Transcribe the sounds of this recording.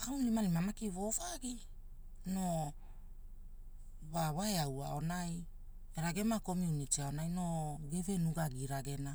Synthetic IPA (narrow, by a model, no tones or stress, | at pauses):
kawnlimalimamakivo̞vaɡi | no̞ | βaβaeawa̰o̞naj | eɾaɡe̞mako̞miunitiao̞najno̞ɡe̞ve̞nuɡaɡiɾaɡe̞na